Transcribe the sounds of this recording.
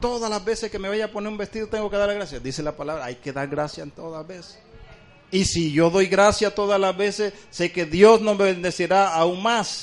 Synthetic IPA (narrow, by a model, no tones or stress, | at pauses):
t̪o̞ðalazbe̞seskeme̞βaʝaponeɾumbe̞st̪iðot̪e̞ŋɡoke̞ðaɾlaɣɾasjad̪ise̞lapalaβɾaajke̞ðaɾɣɾasjaent̪oðazbese̥ | isiʝo̞ðo̞jɣɾasjat̪o̞ðazlazβesesːe̞ke̞ðjo̞snomeβend̪e̞seɾaauŋmas